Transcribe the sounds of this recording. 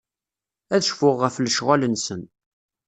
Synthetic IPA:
æðəʃfʊʁːəfləʃʁalənsən

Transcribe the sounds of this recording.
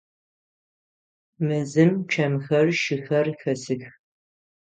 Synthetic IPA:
mɨzɨmt͡ʃʰɐmxɐrʃɪxɐrxɐsɨx

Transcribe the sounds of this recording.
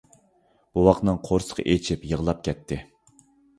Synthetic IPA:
b̥uwɑqnɨŋqʰoɾsə̥qʰʔet͡ʃʰipjəʁlˠɑp̚kʲʰɛt̪ʰːɪ

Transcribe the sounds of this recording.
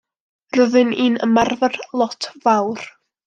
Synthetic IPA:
rəðɨniːnə̰marvərlˠɔtʰvawr

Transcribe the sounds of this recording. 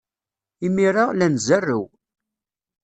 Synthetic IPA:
imiɾˤalænzærːiw

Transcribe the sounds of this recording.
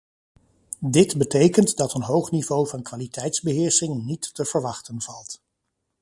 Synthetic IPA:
dɪtbətejkəntdɑtənɦowχnivowvɑnkʋaːlitʰɛjtzbəɦɪːɹsɪŋnitːəv̥əɹʋɑχtənvɑlˠt

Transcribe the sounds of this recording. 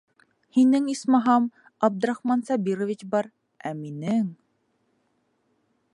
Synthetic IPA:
hinɘŋismɑɦɑm | ɑb̚d̪ŏɾɑχmɑnsɑbʲiɾŏvʲit͡ɕbɑɾ | æminɘŋ

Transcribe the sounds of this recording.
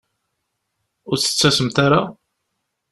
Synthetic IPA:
ʊɾθə̥t͡sːæsəmt̪aɾa

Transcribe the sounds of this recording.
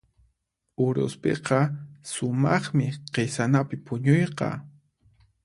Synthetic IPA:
ʊɾʊ̰spḛqɑsʊmɑχmɪqesanapɪpʊɲʊjqɑ̰

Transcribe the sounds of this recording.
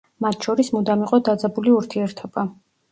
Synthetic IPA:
mat̪ʰʃɔɾismud̪amiqʼɔd̪ad̪zɛbuliuɾt̪ʰiɛɾt̪ʰɔb̥a

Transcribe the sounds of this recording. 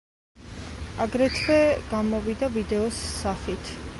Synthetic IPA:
aɡɾɛt̪ʰvɛɡ̥amɔvid̪avid̪ɛɔsːaχit̪ʰ

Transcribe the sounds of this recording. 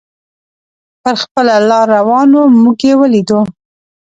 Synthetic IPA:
pəɾxpəlalɑɾːawɑnomuɡjewəlid̪u

